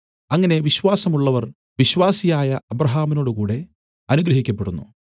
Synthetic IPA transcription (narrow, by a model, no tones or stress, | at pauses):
ɐŋːɐne̞ʋiɕʋaːsɐmuɭːɐʋɐr | ʋiɕʋaːsijaːjɐɐbɾɐɦaːmino̞ːɽukuːɽe̞ | ɐnuɡɾɐɦikʲːɐpːe̞ɽunːṵ